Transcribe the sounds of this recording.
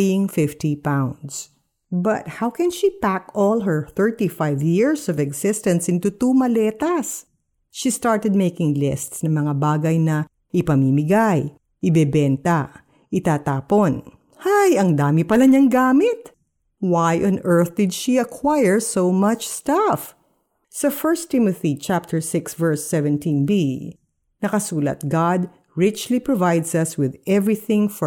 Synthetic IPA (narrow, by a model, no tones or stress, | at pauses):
jɪŋfɪft̪ipãwnd̪s | bɐt̪̚hawkɛ̃nʃipækɔlˠɦɛɹθɛɹt̪ifajvjɪɹsɔvɛɡsɪst̪ɐ̃nsʔɪ̃nt̪ut̪umɐlɛt̪ɐs | ʃist̪aɹt̪ɛd̪̚mejkɪŋlɪst̪snɐŋmɐŋabaːɡɐjnɐ | ʔɪpɐmimɪɡaj | ʔɪbɛbɛnt̪ɐ | ʔɪt̪aːt̪aːpon | hajʔɐŋd̪aːmɪpɐlɐɲɐŋɡaːmɪt̪ | wajʔɔ̃nɛɹθd̪ɪd̪ʃiɐkʰwajɛɹsowmɐt͡ʃst̪ɐf | sɐfɛɹst̪ːɪmɐθit͡ʃap̚t̪ʰɛɹsɪksvɛɹsːɛvɛ̃nt̪ĩnbi | nɐkɐsuːlɐ̰t̪̚ɡad̪̚ | ɹɪt͡ʃlipɹovajd̪sɐswɪðʔɛvɹiθɪ̃ŋfɔ